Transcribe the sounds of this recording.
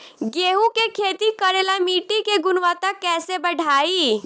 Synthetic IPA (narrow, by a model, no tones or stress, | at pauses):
ɡeːɦukekʰeːt̪ikəɾeːlamiːʈikeɡʊnʋaːt̪akɛːsebəɽʱaːiː